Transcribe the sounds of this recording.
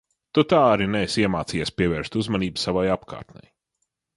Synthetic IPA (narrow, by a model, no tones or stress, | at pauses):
t̪ut̪aːaɾinɛjsiɛmaːt̪sijaspʲiɛvɛːɾst̪uzmaniːbusavajapkʰa̰ːɾt̪nʲɛ̰j